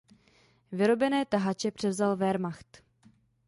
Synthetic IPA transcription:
vɪɾo̞bɛnɛːt̪aɦat͡ʃɛpr̝̥ɛvzalvɛɾmaxt̪

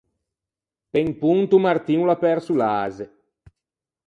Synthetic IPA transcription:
peŋpunt̪umart̪iːnulapɛɾsulaːze

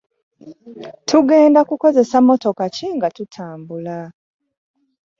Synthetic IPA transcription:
tʰuɡe̞ːndakuko̞ze̞samo̞to̞kaciŋɡatutʰaːmbula

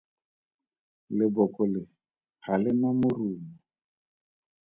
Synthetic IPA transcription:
lɪbɔkɔlɪ | halɪmamʊruːmɔ

